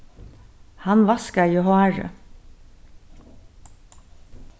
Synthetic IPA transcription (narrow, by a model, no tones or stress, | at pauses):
hɑnʋɑskəiːhoæɹə̰